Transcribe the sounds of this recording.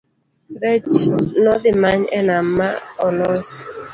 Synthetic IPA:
ɾɛt͡ʃnɔd̪ɪmaɲɛnamːaɔlɔs

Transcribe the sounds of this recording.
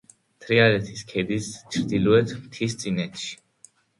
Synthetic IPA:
t̪ʰɾialɛt̪ʰiskʰɛd̪ist͡ʃʰɾd̪ilɔɛt̪ʰmt̪ʰist̪sʼinɛt̪ʃi̥

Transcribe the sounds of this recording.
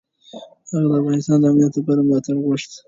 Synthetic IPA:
haɣad̪əafɣɑnɪst̪ɑnd̪əamnijat̪ləpɑɾamlɑt̪aɽɣʊʂt̪

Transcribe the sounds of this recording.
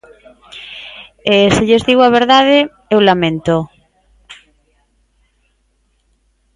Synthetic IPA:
esɪʎezðiɣaβ̞eɾðað̞ɪ | ewlamẽnt̪o

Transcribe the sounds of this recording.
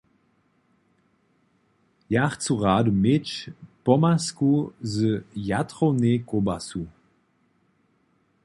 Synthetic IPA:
jaχt͡suʁaːdumɪt͡ʃpɔmaskuzəjatʁonekobasu

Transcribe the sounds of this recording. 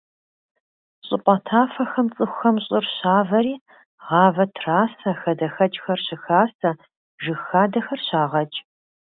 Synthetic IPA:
ɕʼɪpʷʼɐtʰaːfɐxɐmt͡sʼɨxʷxɐmɕʼɨrɕaːvɐɾiː | ʁɑːvɐtʰraːsɐxɐdɐxɐt͡ʃʼxɐrɕɪxaːsɐ | ʒɨxaːdɐxɐrɕaːʁɐt͡ʃʼ

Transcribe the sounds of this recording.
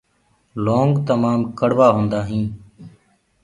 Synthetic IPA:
loːŋɡt̪əmaːmkəɽʋaːɦõːnd̪aːɦĩː

